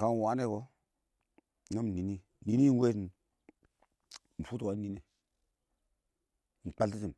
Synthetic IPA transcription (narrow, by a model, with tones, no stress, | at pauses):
ka˨n˨wa˨˦ne˦˨ko˦˨ | a˦m˨ni˨ni˦ | ni˨ni˦we˦˨ | m̩˨fu˦twa˦ni˦ne˨ | n̩˨k͡pa˦lti˦t̬i˨m